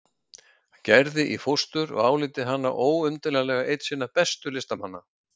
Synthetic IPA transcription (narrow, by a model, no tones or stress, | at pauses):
hacɛɾðɪʔifost̪ʏɾɔ̰ɣaːwlɪːt̪ɪɦanːa̰ʔoːwʏmt̪ɪlalɛːɣaʔejt̪siːnapɛst̪ʏlɪst̪amanːa̰